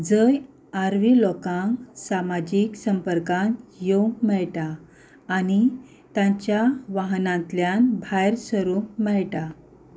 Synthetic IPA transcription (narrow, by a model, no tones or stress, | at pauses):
d͡zəj | aɾʋilɔkãŋksamad͡ʑiksəmpəɾkãnjẽmɛɭʈaː | ni | t̪ãɲt͡ɕjaʋaɦnãnt̪ljanbʱajɾsəɾumɛɭʈa